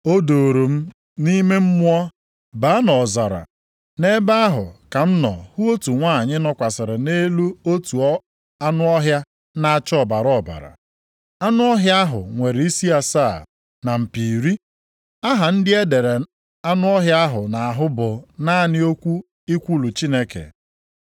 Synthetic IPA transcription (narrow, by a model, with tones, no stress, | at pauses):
o˦do˨ɾo˨m̩˦ | ni˦me˦m̩˦mʊ˦ɔ˦ | ba˨˦nɔ˨za˨ɾa̰˨ | ne˦ba˦a˦ɦʊ̰˨ka˨m̩˦nɔ̰˨hu˦o˦tu˨ŋʷa˦˨ɲɪ˦nɔ˨kʷa˨sɪ˨ɾɪ˨ne˦lu˦o˦tu˨ɔ˦ | a˦nʊ˦ɔ˦ɦja˦ | na˦a˨t͡ʃɔ˦˨ba˨ɾɔ˦˨ba̰˨ɾa̰˨ | a˦nʊ˦ɔ˦ɦja˦a˦ɦʊ̰˨ŋʷe˨ɾi˦si˦a˦saː˦˨ | na˨m̩˨piː˨ɾi˦ | a˦ɦa˨n̩˦dɪ˦e˦de˨ɾe˨ | a˦nʊ˦ɔ˦ɦja˦a˦ɦʊ˨na˨a˨ɦʊ˦bʊ˨na˦˨nɪ˦o˦kʷu˦ | i˦kʷu˦˨lu˨t͡ʃi˦ne˦kḛ˨